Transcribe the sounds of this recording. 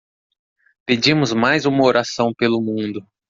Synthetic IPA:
ped͡ʒĩmʊzmajzũmɐoɾasɐ̃w̃pelʊmũnd̪ʊ

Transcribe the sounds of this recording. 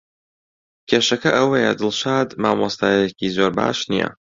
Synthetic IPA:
kʲʰeːʃɐkɐʔɐwɐjɛd̪ɨlˠʃaːd̪maːmɑst̪aːjjecizoːɾba̰ːʃnḭjɐ̰

